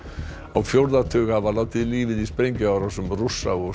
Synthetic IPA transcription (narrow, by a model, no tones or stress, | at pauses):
awfjoɾðat̪ʰøɣhavalat̪ɪðliːvɪðispɾɛjŋkʏawɾasɔmrʊsːawɔ